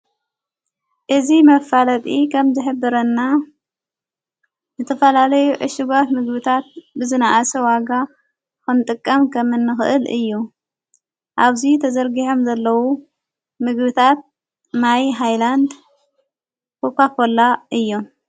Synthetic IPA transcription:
ʔɨzimɐfalɐt̪ʼikʰɐmzɨħɨbːɨɾɐnːa | zɨt̪ʰɐfɐlalɐjuʕɨ̰ʃɪɡat̪mɨɡbɨt̪ʰat̪̚bɨzɨnaʔasɐwaɡa | kɨnt̪ʼɨkʼːɐmkʰɐmɨnːɨxɨʔɨlɨ̰jːu | ʔaβzit̪ʰɐzɐɾɡiħomzɐlːɐwu | mɨɡbɨt̪ʰat̪̚ | majɦajland̪ | pʰopapʰolːaʔɨjːo

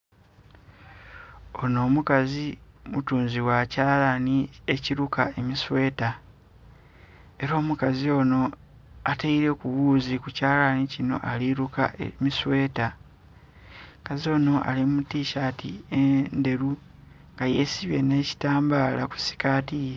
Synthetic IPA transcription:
o̞no̞ːmukazimutuːnziwacaːlanie̞ciɾukae̞miswe̞ːta | eɾo̞ːmukazio̞ːno̞ | ateiɾe̞kuwuːzikucaːlanicino̞̰ʔaliɾuka̰miswe̞ːta | kazio̞ːno̞ʔa̰limutiːʃatiende̞ɾu | ŋɡaje̞siβje̞̰ne̞ːci̥taːmbaːlaku̥si̥kaːtije

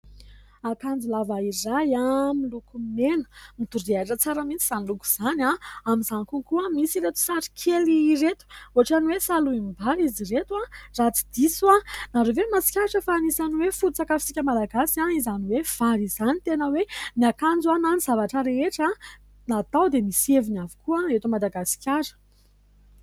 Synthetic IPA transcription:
akand͡zulavaizajamilukummenə̥mit̪uɾiaʈ͡ʂət͡saɾəmint͡siz̥aniluku̥z̥anaamizankukuamisiɾet̪u̥saɾi̥kʰeliret̪u̥oaʈ͡ʂaniwesaluimbaɾiziret̪warat͡si̥d̪̥isuanaɾovemasi̥kʲaʈ͡ʂəfanisaniwefuɾt͡sakafi̥t͡sikʲəmalaɡasiaizaniwev̥aɾizanit̪enəweniakand͡zuananiz̥avaʈ͡ʂəɾeeʈ͡ʂa | nat̪awd̪emisevinavi̥kuaet̪umad̪aɡasi̥kʲaɾə̥

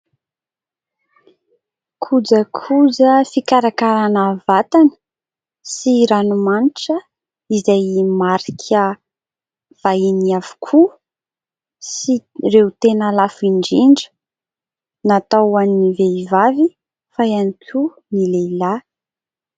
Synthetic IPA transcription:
kʰud͡zəkʰud͡zəfikaɾakaɾanəvat̪anə̥ | siɾanumaniʈ͡ʂə | izajmaɾikʰə | v̥ainiav̥u̥kʰu | sirewt̪enəlafiɳɖ͡ʐiɳɖ͡ʐə̥ | nat̪awaniveivavi | faanikʲʰu | nileila

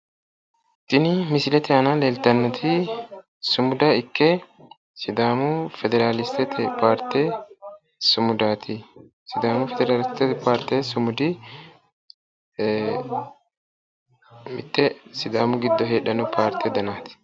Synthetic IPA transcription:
t̪ːɪnɪmɪsɪlɛt̪ɛɐnɐleːlt̪ɐnːɔt̪ʰɪ | sʊmʊd̪ɐɪkːɛ | sɪd̪aːmʊfɛd̪ɛɾaːlɪst̪ɛt̪ʰɛpaːɾt̪ɛ | sʊmʊd̪aːt̪ʰɪ | sɪd̪aːmʊfɛd̪ɛɾaːlɪst̪ɛpaːɾt̪ːɛsʊmʊd̪ɪ | mɪ̰t̪ːɛsɪd̪aːmʊɡɪd̪ːɔɦeːɗɐnɔpʰaːɾt̪ʰːɛd̪ɐnaːt̪ɪ̥

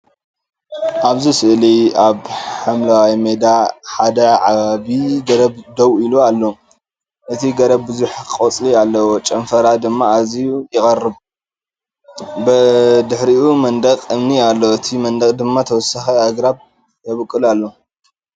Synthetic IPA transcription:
ʔaβzisɨʔliaβħamlawajmed̪aħad̪ɐʕa̰βaβiɡɐɾɐbd̪ɐwilualːo | ʔɨt̪ʰiɡɐɾɐbbɨzuħkʼot͡sʼlialːɐwot͡ʃʼɐnfɐɾad̪ɨmːaazijujɪkʼɐrɨb | bɨd̪ɨħɾiʔumɐnd̪ɐkʼɨmnialːoɨt̪ʰimɐnd̪ɐkʼd̪ɨmːat̪ʰɐwɔsːaxiaɡɾaβ | t̪ʰɐβkʼːɨlalːo

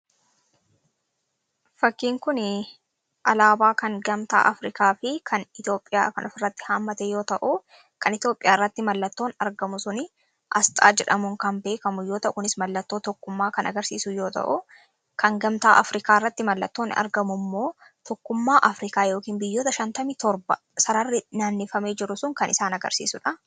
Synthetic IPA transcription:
fɐkːiːŋkʊn | ʔɐlaːbaːkɐŋɡɐmt̪a̰ːʔɐfɾɪkaːfɪkʰɐnɪt̪jo̞ːpʼːɪja̰ːkɐnʔɔfɪrːɐt̪ːɪ̥haːmːɐt̪ejo̞ːt̪ɐʔʊ | kʰɐnɪt̪jo̞ːpʼɪjaːɪrːɐt̪ːɪmɐlːɐt̪ːoːnɐɾɡɐmʊsʊnɪ | ʔɐst̪ʼa̰ːd͡ʒɛᶑɐmʊŋkɐmbe̞ːkɐmʊjoːt̪ɐʔʊkʊnɪsmɐlːɐt̪ːo̞ːt̪ɔkːʊmːaːkɐnɐɡɐɾsḭːsʊjo̞ːt̪ɐ̰ʔʊ | kʰɐŋɡɐmt̪aːʔɐfɾɪkaːɪrːɐt̪ːɪmɐlːɐt̪ːoːnɐ̰ɾɡɐmʊmːo̞ː | t̪ɔkːʊmːaːʔɐfɾɪkaːjo̞ːkiːnbɪjːo̞ːt̪ɐʃɐnt̪ɐmit̪ɔɾbɐ | sɐɾɐrːɪnaːnːɪfɐmeːd͡ʒɪɾʊsʊŋkɐnʔɪ̰saːnɐɡɐ̰ɾsḭːsʊᶑɐ

